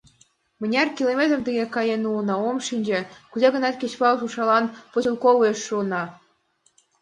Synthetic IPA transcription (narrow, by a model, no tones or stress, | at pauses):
mɘ̆nʲɑrkʲilˠomʲet̪rd̪eɣʲekɑjenulnɑomʃinʲd͡ʑĕkuzɑɡɤ̆nɑt̪ʲkʲet͡ɕpɑʃuʂɑlˠɑnpoɕilˠkoʋueʃːuɤnɑ